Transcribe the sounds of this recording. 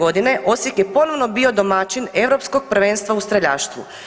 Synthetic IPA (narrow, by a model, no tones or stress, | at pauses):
o̞d̪ine̞ʔo̞sjikjepo̞noʋnobio̞d̪o̞mat͡ʃineʋɾo̞psko̞ɡ̚pr̩ʋe̞ːnst̪ʋaust̪ɾaʎaːʃt̪ʋṵ